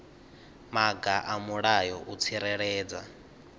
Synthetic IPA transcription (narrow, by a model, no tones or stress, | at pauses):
maɡaʔamuɺajɔʔut͡sʰiɾɛɺɛːd͡za